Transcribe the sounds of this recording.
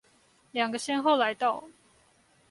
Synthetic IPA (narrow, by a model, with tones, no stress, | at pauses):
ljɑ˨˩ŋɡə˦ɕjɛ˥nxo˥˨ʊla˧˦ɪt̪ɑ˥˨ʊ